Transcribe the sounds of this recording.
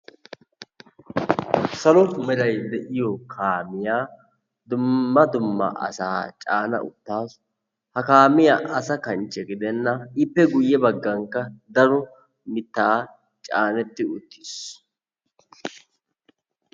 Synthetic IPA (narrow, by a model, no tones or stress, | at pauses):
sɐlɔmɛd̪ɐjd̪ɛʔɪjɔkʰaːmɪjaː | d̪ʊmːɐd̪ʊmːɐ̰ʔɐ̰saːt͡ʃʼaːnɐ̰ʔʊ̰t̪ːaːs | hɐkaːmɪjaːʔɐsɐkɐnt͡ʃːɛɡɪd̪ɛnːɐɪpːɛɡʊjːɛbɐɡːɐŋkːɐd̪ɐɾɔ | mɪt̪ːaː | t͡ʃʼaːnɛt̪ːɪʊt̪ːi̥s